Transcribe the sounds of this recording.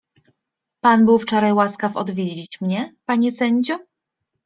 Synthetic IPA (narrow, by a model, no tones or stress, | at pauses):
panbɘwft͡ʂɔɾajwaskafɔ̰d̪vʲjed͡ʑit͡ɕmɲɛpaɲɛsɛɲd͡ʑɔ